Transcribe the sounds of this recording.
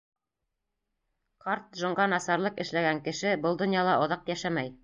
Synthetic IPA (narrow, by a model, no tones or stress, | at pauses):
qɑɾt̪̚ʒŏɴɢɑnɑsɑɾlˠɤqɘ̆ʃlæɡæŋkɘ̆ʃɘbɤlˠd̪ŏnjɑlˠɑʔŏðɑqjæʃæmæj